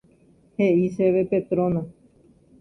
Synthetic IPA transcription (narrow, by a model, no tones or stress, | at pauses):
heʔiseʋepet̪ɾõnã